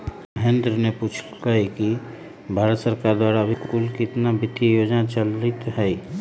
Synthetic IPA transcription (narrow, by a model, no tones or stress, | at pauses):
məɦẽnd̪ɾənepuːt͡ʃʰ | kəiki | bʱaːɾət̪səɾkaːɾd̪waːɾabʱikuːlkit̪nabɪt̪ːijoːd͡ʒnat͡ʃəlɪt̪ɦɛ